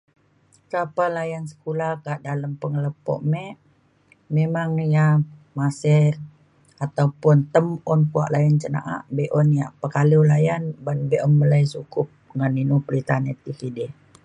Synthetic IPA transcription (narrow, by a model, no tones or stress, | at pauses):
sapalajansə̥kulahkaʔdaləmpəŋələpɔ̰ʔmɛʔ | memaŋjamasɛr | at̪awpʊnt̪əmɔnkua̰ʔlajant͡ʃəna̰ʔa̰ʔbeʔɔnjaʔpəkaliwlajanbanbeʔɔməlajsukʊp̚ŋanːinupəɾit̪anɛt̪ikidɛ